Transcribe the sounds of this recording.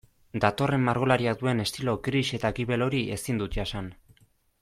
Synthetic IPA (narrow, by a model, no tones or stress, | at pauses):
d̪at̪o̞re̞mːaɾɣ̞o̞laɾiad̪ue̞ne̞st̪ilo̞kɾiʃe̞t̪aɣiβe̞lo̞ɾie̞sind̪ut̪̚ʝasan